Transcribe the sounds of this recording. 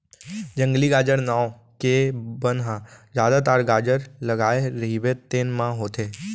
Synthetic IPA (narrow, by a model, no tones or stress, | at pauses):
d͡ʒəŋɡliɡad͡ʒəɾna | kebənɦãd͡ʒad̪at̪aɾɡad͡ʒəɾləɡaeɾəɦiʋet̪enmãɦot̪ʰe